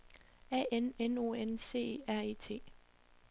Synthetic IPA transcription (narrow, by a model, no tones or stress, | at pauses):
ɛ̰ːʔeneno̝̰ːense̝̰ːeæɐ̰e̝ːt͡sʰe̝̰ː